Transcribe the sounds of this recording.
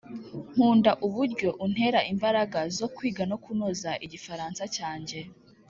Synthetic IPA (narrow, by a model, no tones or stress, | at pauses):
m̥huːndaʔuβuɾɟo̞ʔun̥he̞ɾaʔimbaɾaɡazo̞kwiːɡano̞kunozaʔiɟifaɾaːnsacaːɲɟe̞